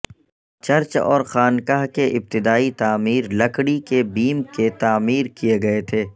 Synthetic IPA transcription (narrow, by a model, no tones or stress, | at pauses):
t͡ʃɐɾt͡ʃɔ̰ːɾxaːnkaɦkeʔɪb̚t̪ɪd̪aːit̪aːmiːɾlɐkɽikebiːmket̪aːmiːɾkijeɡɐet̪ʰeː